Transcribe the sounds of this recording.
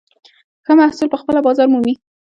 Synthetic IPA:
kəmahsɪlpəxpəlabɑzɑɾmumi

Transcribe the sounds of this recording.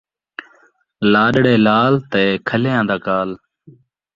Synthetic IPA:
laːɗɽeːlaːlt̪eːkʰəleːãːd̪aːkaːl

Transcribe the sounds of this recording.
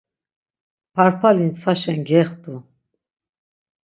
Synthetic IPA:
pʰaɾpʰalinsʰaʃɛnɡɛχt̪ʼu

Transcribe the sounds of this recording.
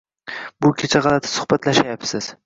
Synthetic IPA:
bʊkʲʰet͡ʃʰaʁɑlˠat̪ʰɪ̥sʊ̥hbat̪laʃajapsɪz̥

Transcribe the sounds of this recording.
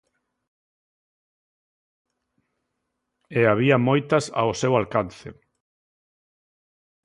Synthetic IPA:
eaβ̞iɐmojt̪ɐsa̰osewalkanθɪ̰

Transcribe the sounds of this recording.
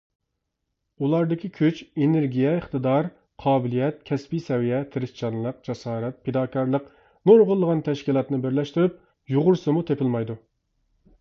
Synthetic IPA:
ulˠɑɾd̪ɪkʲʰikʲʰøt͡ʃʲenɪɾɡʲijɛəχt̪ɨd̪ɑɾ | qʰɑːbɪlijɛt̪̚kʲʰɛspisɛwijɛt̪ʰɪɾɪst͡ʃʰɑnlˠəq̚d͡ʒɑsɑːɾɛt̪̚pʰed̪ɑːkʰɑɾlˠəq | noɾʁʊlˠːəʁɑnt̪ʰɛʃkʲilˠɑt̪nɨbɪɾlɛʃt̪yɾyp̚ | joʁʊɾsɨmut̪ʰepʰɪlmɑjd̪u

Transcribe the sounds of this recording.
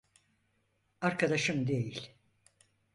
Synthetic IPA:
aɾkad̪aʃɯmd̪e̞jilʲ

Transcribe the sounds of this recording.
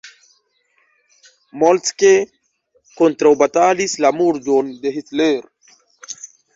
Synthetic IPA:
molt͡ske | kont̪ɾɐwbɐt̪aːlislamuɾd͡ʒond̪eɦit͡s̪leɾ

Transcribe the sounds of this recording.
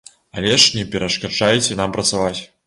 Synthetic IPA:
alʲɛʂnʲɛpʲɛɾɐʂkaʐajt͡sʲɛnampɾɐt̪savat͡sʲ

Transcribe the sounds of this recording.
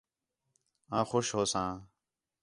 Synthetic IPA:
ãːxoʃɦoːsãː

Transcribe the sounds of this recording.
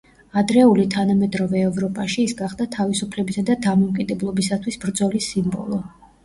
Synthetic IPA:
ad̪ɾɛulit̪ʰanamɛd̪ɾɔvɛːvɾɔpʼaʃiːsɡaχd̪at̪ʰavisupʰlɛbisad̪ad̪amɔmkʼid̪ɛblˠɔbisat̪ʰwisbɾd̪zɔlisimbɔ̰lˠɔ

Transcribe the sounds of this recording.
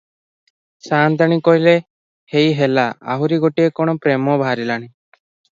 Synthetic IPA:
saːnd̪ʱañikoɦile | hejɦelaa̰ɦuɾiɡoʈiekɔɽ̃ɔpɾemɔbʱaɾilañi

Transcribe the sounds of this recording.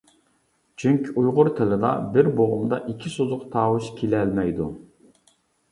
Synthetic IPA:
t͡ʃʰyŋkʲʰiujʁʊɾt̪ʰɪlɪd̪ɑ̰bɪɾboʁʊmd̪ɑʔikʲʰisozʊqt̪ʰɑːwʊʃkʲʰilɛlmɛjd̪u

